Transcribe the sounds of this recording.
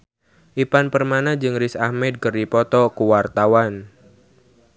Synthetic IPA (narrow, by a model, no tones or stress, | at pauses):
ʔipanpərmanad͡ʒɨŋɾɪsahmɛd̪̚kərdipɔt̪ɔkuwart̪awan